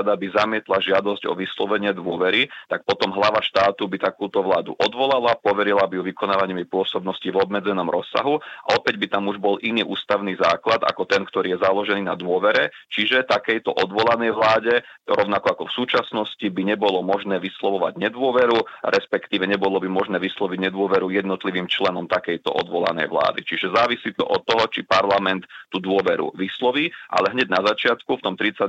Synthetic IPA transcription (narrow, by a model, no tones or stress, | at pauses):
d̪abizamɪɛt̪laʒɪad̪ɔzɟɔ̰ʋislɔʋɛɲɪɛd̪ʋʊɔʋɛɾit̪ak̚pɔt̪ɔmɦlaʋaʃt̪aːt̪ubit̪akuːt̪ɔʋlaːd̪ṵʔɔd̪ʋɔlalapɔʋɛɾilabijuʋikɔnaːʋaɲimipʊɔsɔbnɔscivɔbmɛd͡zɛnɔmɾɔsːa̰ɦua̰ɔpɛɟbit̪amuʒbɔlʔiniːʔuːst̪aʊnizaːklad̪a̰kɔt̪ɛnkt̪ɔɾiːjɛzalɔʒɛniːna̰d̪ʋʊɔʋɛɾɛt͡ʃiʒɛt̪akɛjt̪ɔʔɔd̪ʋɔlanɛjʋlaːɟɛɾɔʊnakɔakɔfsuːt͡ʃasnɔscibiɲɛbɔlɔmɔʒnɛːʋislɔʋɔʋa̰ɟɲɛd̪ʊɔʋɛɾuɾɛspɛkt̪iːʋɛɲɛbɔlɔbimɔʒnɛːʋislɔʋiɟɲɛd̪ʊɔʋɛɾujɛd̪nɔt̪liʋiːmt͡ʃlɛnɔmt̪akɛjt̪ɔ̰ʔɔ̰d̪ʋɔla̰nɛ̰jʋla̰ːd̪it͡ʃiʒɛzaːʋisiːt̪ɔ̰ʔɔt̪ːɔɦɔt͡ʃipaɾlamɛnt̪ːud̪ʊɔʋɛɾṵʋislɔʋiːʔa̰lɛɦɲɛɟnazat͡ʃɪat̪kuft̪ɔmt̪ɾit͡sa